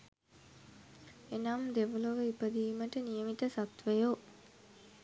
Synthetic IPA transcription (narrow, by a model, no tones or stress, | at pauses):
enamd̪eʋoloʋəipəd̪iːməʈənijəmit̪əsat̪ʋəjo